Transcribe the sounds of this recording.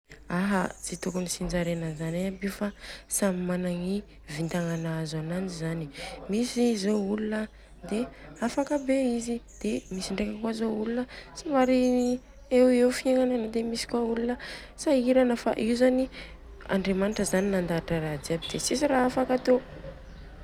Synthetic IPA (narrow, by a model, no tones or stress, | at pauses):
aɦəd͡zit̪ukunisind͡ʒaɾenəzanajabiufasamimanaŋi | vint̪aŋanaazanand͡ʒizanimisizoulunə | d̪eafakəbeizid̪̥emisiɳɖ͡ʐekakwazoulunəsavaɾi | ewewfieŋananəd̪emisi̥kwaulunə | saiɾanəfa̰ʔiwzani | a̰ɳɖ͡ʐemaniʈ͡ʂəzaninand̪aʈ͡ʂəɾad͡z̪iabid̪̥esisiɾaafakat̪o